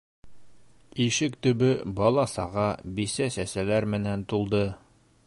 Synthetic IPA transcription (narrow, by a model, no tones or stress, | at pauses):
iʃɘkt̪ɵ̆bɘbɒlˠɑsɑʁɑbisæsæsælæɾmɘ̆nænt̪ulˠd̪ɤ